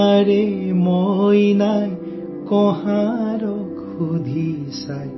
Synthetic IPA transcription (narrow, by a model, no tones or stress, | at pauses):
ɾemojnaj | kɔɦaɾɔkʰud̪ʱi | saj